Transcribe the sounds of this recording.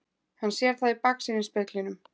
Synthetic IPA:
hanːsjɛɾ̥θaðipaksɪnɪnspɛklɪnʏm

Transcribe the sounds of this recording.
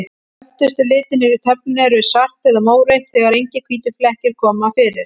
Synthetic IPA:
ɛft̪ɪst̪ʏlɪːt̪ɪnɪɾɪt̪ʰœp̚nʏnɛɾʏɪ̥sar̥t̪ɛðamoːwɾejht̪θɛɣaɾejɲcɪkʰviːt̪ɪflɛhcɪɾ̥kʰɔːmafɪːɾɪɾ̥

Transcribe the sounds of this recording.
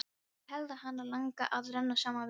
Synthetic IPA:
hɛlðahanːaɾlaŋka̰ʔaðɾɛnːasaːmav

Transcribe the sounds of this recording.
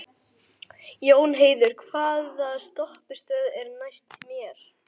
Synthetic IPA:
joːwnɦeːjðʏɾ̥kʰv̥aːðaðst̪ɔhpɪst̪œːðɛɾnajst̪imjɛɾ̥

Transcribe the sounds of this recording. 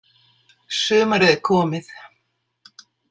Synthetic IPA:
sœːmaɾɛðɪkʰɔːmɪθ

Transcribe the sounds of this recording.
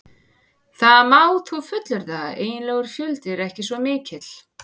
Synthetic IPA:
θaðamaːwθufʏt̪lʏɾðaeːjɪnlɛːɣʏɾ̥fjʏlt̪ɪɾɛhcɪsvɔmɪːcɪt̪l̥

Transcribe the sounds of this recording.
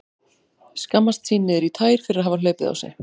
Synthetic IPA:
skamːast̪siːnɪðɛɾit̪ʰaːjɾ̥fɪɾɪɾaðɦavalœːɥpɪða̰wsɛ̰

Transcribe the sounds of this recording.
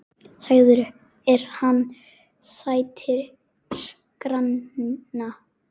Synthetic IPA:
saɣðʏɾ | ɛɾ̥hanː | saːjt̪ʰɪɾ | ɾ̥ | kɾanːa

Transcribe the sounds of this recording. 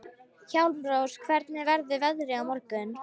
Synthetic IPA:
çawlmɾowskʰvɛɾt̪nɪvɛɾðʏvɛðɾɪawmɔɾkʏn

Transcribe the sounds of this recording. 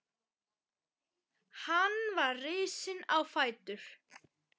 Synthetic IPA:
hanvaɾrɪːsɪnawfaːjt̪ʏɾ̥

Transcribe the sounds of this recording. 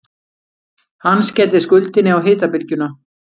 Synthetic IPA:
hanːscɛːt̪̬ɪskʏlt̪ɪnːɪawɦɪːt̪apɪlcʏna

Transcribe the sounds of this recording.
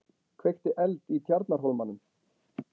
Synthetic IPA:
kʰvejht̪ɪʔɛlt̪it̪ʰjaɾt̪̚naɾ̥ɦowlmanːʏm

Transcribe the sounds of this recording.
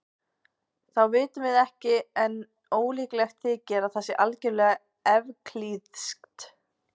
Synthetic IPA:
θawvɪːt̪ʏvɪðɛhcɪɛn | oːwliːklɛxt̪θɪːcɛɾaðθɛsɪʔalcɛɾlɛːɣa | ɛvkʰliðskt̪

